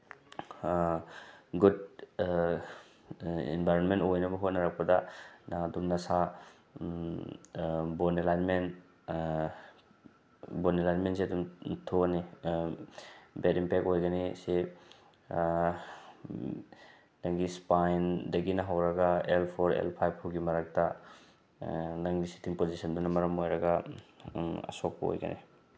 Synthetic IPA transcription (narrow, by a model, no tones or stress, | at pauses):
ɡud | ḭnbʱajɾɔnmentojnɐbɐɦotnaɾak̚padadaŋɐdumnɐsa | bɔnelajnmen | bɔnelajnmentseɐdumtʰoni | betimpekojɡɐnise | dɐŋɡispajndɐɡinɐɦawɾɐɡɐelpʰoɾḛlpʰajb̚ʰuɡimɐɾak̚tɐ | nɐŋɡisi̥tʰiŋpozisɐndunɐmɐɾɐmojɾɐɡɐ | ɐ̰sok̚pɐo̰jɡɐ̰nʔḭ